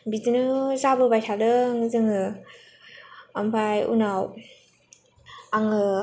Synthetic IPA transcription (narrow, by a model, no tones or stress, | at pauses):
bitnɯzabɯbajtʰalɯŋɯzɯŋɯ | ampʰajṵnaw | aŋɯ